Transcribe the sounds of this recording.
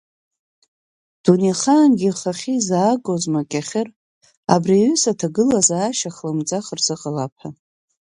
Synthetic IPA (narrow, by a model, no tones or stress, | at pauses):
d̥uniχaːnɡʲiχaχʲizaːɡozmakʲʼaχʲɪr | a̰briɥʏsatʰaɡɨlazaːʃaχlɨmd͡zʼaχrz̥ɨqʼalapʰa